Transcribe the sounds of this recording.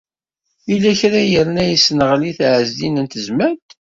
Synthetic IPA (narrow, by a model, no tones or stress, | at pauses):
ilːæçɾæjəɾnæjəsːnəʁliθʕəzd̪inənt̪əzmænt̪